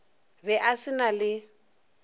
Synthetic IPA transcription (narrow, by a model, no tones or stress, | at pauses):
bɛʔasɪnalɪ